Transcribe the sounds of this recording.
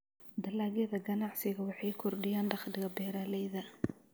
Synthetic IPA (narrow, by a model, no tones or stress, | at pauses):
d̪ɐlaːɣjɐðɐɡɐnɑʕsɪɣɐwɑħɑjkʰɔrɖɪjaːnɖɑχd̪ɪɣɐbɛːɾaːlɛjðɐ